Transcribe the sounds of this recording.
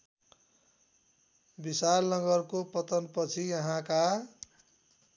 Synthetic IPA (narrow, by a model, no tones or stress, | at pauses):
bisalnʌɡʌrkopʌt̪ʌnpʌt͡sʰijʌɦãka